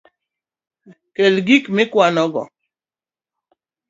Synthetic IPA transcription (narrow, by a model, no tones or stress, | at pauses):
kelɡikmɪkwanɔɡɔ̰